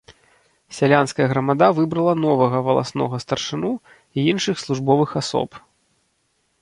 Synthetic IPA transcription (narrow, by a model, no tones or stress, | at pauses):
sʲalʲanskɐjɐɣɾɐmad̪avɨbɾɐlˠɐn̪ɔvɐɣɐvɐlˠa̰snɔɣɐst̪ɐrʂɨnu | iinʂɨxslˠuʐbɔvɨxasɔ̰p